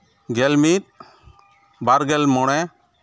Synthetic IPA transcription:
ɡɛlmit̪̚ | baɾɡɛlmɔɽ̃ɛ

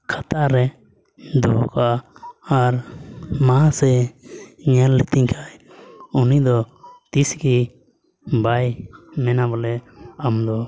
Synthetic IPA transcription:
kʰat̪aɾɛ | d̪ɔ̰kaː | ɾmãsɛ | ɲɛlːət̪iɲkʰaj | unid̪ɔt̪isɡi | bajmɛnabɔlɛamd̪ɔ

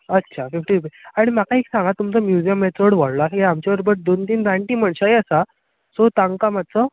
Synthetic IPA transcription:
ətːɕʰafifʈiubeaɽ̃im̤akaeksãŋɡat̪umt͡səmjud͡ʑijəmːet̪oɽʋaɽlaaseamt͡ɕaʋəɾbəɾd̪ont̪iːnɾaɳʈiːməɳɕaeəsa | sot̪aŋɡkamat̪t͡sə

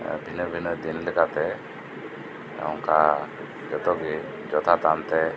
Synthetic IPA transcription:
bʱinəbʱinəd̪inlɛkat̪ɛ | ɔŋka | d͡ʒɔt̪ɔɡi | d͡ʒɔt̪ʰat̪ant̪ɛ

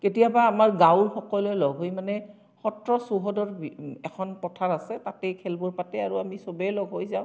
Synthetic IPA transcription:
ketijabaːmaɹɡaʊɹxɔkɔlɔjlɔɡʱɦojmanɛ | xɔtɹɔsuɦɔdɔɹɛkʰɔnpɹɔtʰaɹasɛtatɛjkʰɛlbɔɹpatɛaɹuamisobɛlɔɡɦojzaʊ̃

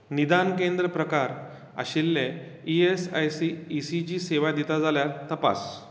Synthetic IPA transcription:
nid̪ankẽnd̪ɾəpɾəkaɾ | a̰ɕilːẽiesajsiːsit͡ɕiːseʋad̪it̪ad͡zaljaɾt̪əpa̰s

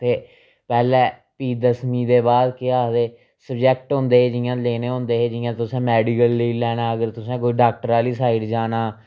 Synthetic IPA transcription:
t̪eː | pɛːlɛː | piːd̪əsmiːd̪eːbaːd̪kɪaːd̪eː | səbd͡ʒɛːk̚ʈɦʊ̃ːnd̪eːeːd͡ʒɪjãːleːneːɦõːnd̪eːɦeːd͡ʒɪjãːt̪ʊsẽːmɛːɖiːkəlːiːlɛːɽ̃ãːəɡəɾt̪ʊsẽːk̬oːiɖaːk̚ʈəɾaːliːsaːɪɖd͡ʒaːnaː

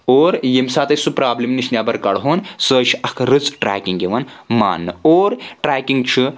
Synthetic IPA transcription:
oːɾjemsaːt̪ɐsupɾaːblʲimniʃʲnʲaːbɐɾkɐɽɦoːnsəːʃʰɐkʰɾɨt͡sʈɾa̰ːkiŋɡiʋɐnma̰ːnːɨoːɾʈɾaːkiŋɡt͡ʃʰɨ

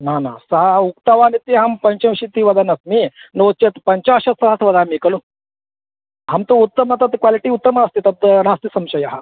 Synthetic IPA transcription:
nana̰ːsɐɦɐukt̪ɐʋaːnit̪iɦɐmpɐɲt͡ʃɐ̃mʃit̪iʋɐd̪ɐnɐsminoːt̪t͡ʃet̪pɐɲt͡ʃaːʃɐt̪sɐɦɐt̪ʋɐd̪ʱaːmikɐlu | ɦamt̪uut̪ːɐmɐt̪ɐt̪kwaliʈiut̪ːɐmɐɐst̪it̪ɐt̪nast̪isɐmʃɐjɐɦɐ

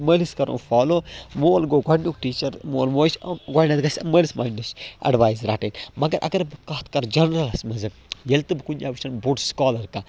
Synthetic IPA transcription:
məːliskɐɾʔo̰ːnfaːloːmoːlɡoːɡɐɳuk̚ʈiːt͡ʃɐɾmoːlmoːt͡ʃɡaɳnɐt̪ɡɐsʲɐməːlisma̰ːnɐsɐ̰ɖʋaːjzɾaːʈeːnmɐɡɐɾʔɐ̰ɡɐɾbɨkɐːt̪kɐɾd͡ʒɐnɾɐlɐsmɐzɐkjɐlt̪ɨbɨkunʲaːbɨʃɐnbuɖskaːlɐɾka

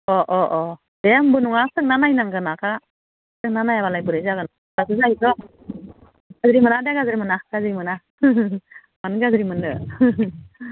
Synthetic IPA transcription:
ɔʔɔʔɔ | dembɯnɔŋasɯk̚nanajnaŋɡɯnakʰa | sɯk̚nanajabalajbɯɾɯzaɡɯn | bazɯzaizɔ | ɡ̥azɾimɯnadeɡazɾimɯnaɡ̥azɾimɯna | manɡazɾimɯnɯ

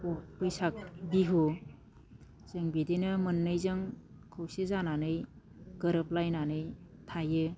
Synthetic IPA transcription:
opɯjsak̚biɦu | zɯŋbidinɯmɯnːɯjzɯŋ | kʰɯwsezananɯj | ɡ̥əɾəp̚lajnanɯj | tʰajɯ

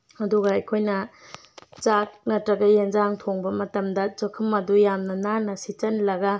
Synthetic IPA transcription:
ɐduɡɐɐjkʰojnɐ | t͡ʃak̚nɐtɾɐɡɐjend͡ʒaŋtʰoŋbɐmɐtɐmdɐt͡ʃokʰɯmɐdujamnɐnaɾnɐsit͡ʃɐnlɐɡɐ

